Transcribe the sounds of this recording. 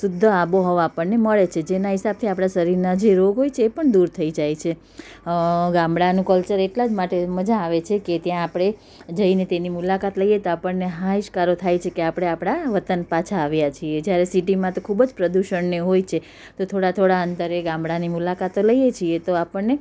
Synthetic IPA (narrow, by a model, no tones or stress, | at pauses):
sʊd̪ʱːəaboɦɔʋãpəɳneməɭet͡ʃʰed͡ʒenaɦɪsab̚t̪ʰiapɽ̃aʃəɾiɾnad͡ʒeɾoɡɦojt͡ʃʰeːpəɳd̪uɾt̪ʰəid͡ʒajt͡ʃʰe | ɡãmbɽanũkəlt͡ʃəɾeʈlad͡ʒmaʈeməd͡ʒãːʋet͡ʃʰeket̪jãːpɽ̃e | d͡ʒəinet̪enimulakat̪ləijet̪oapəɳneɦaiʃkaɾot̪ʰajt͡ʃʰekeapɽ̃eapɽ̃aʋət̪ənpat͡ʃʰaːʋjat͡ʃʰied͡ʒjaɾesiʈimãt̪okʰubəd͡ʒpɾəd̪uʃəɳneɦojt͡ʃʰe | t̪ot̪ʰoɽat̪ʰoɽaənt̪əɾeɡãmbɽanimulakat̪oləjet͡ʃʰiet̪oapəɳːe